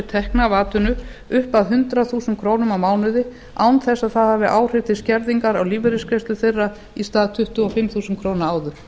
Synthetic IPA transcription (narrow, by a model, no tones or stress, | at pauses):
t̪ʰɛhknavaːt̪ʏnʏʏhpaðɦʏnt̪ɾaθuːsɛnt̪̚kʰɾoːwnʏmawmaːwnʏðɪ | awnθɛsːaðθaðhavɪʔaːwr̥ɪt̪θʰɪ̥scɛɾðiŋkaɾawliːvɪɾɪskɾest̪lʏθɪrːa | ist̪aːðt̪ʰʏht̪ʏɔfɪmːθuːsɛnt̪̚kʰɾoːwnaɾaːwðʏɾ̥